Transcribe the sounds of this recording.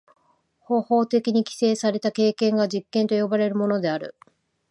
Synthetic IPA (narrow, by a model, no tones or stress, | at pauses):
ho̞ːho̞ːt̪e̞kʲiɲ̟ikʲi̥se̞ːsaɾe̞t̪ake̞ːkẽ̞ŋɡaʑikːẽ̞nt̪o̞jo̞baɾe̞ɾɯ̟mo̞no̞d̪e̞aɾɯ̟̰